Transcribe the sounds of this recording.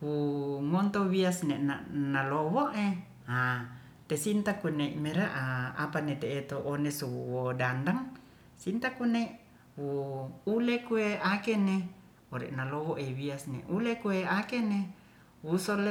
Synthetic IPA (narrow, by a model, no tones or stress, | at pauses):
wuŋɔnt̪owiasnenanalowoʔe | a | t̪esint̪akuneimeɾaʔaa̰panet̪eːt̪oʔːnesuwuwodandaŋ | sint̪akuneʔ | wuulekueakene | oɾḛʔnalowoʔewiasnḛʔulekueakene | wusol